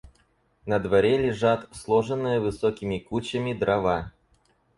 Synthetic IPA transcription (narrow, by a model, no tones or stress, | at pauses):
nəd̪vɐɾʲelʲɪʐat̪slˠoʐɨnːɨjəvɨsokʲɪmʲɪkut͡ɕəmʲɪd̪ɾʔɐva